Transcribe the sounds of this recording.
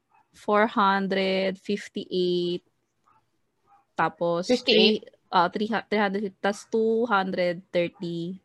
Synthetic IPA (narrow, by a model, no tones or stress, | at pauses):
foɹhɐnd̪ɾɛd̪fɪft̪iʔejt̪̚ | aːpost̪i | ʔoʔot̪ɾit̪ɾiːhɐnd̪ɾɛd̪ft̪ɐst̪uɦɐnd̪ɾɛd̪̚t̪ɛɹt̪i